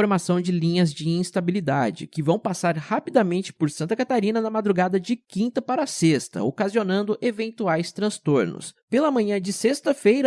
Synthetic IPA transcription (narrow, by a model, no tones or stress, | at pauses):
oɾmasɐ̃w̃d͡ʒɪlĩɲɐzd͡ʒɪĩst̪abilid̪ad͡ʒɪ̰kɪvɐ̃w̃pasaɾhapid̪amẽnt͡ʃɪ̥pʊɾsɐ̃nt̪ɐkat̪aɾĩnɐnɐmad̪ɾuɡad̪ɐd͡ʒɪkĩnt̪ɐpaɾɐsest̪ɐ̰okazionɐ̃nd̪ʊʔevẽnt̪uajst̪ɾɐ̃st̪oɾnʊ̰spelɐmɐ̃ɲɐ̃d͡ʒɪsest̪ɐfejɾɐ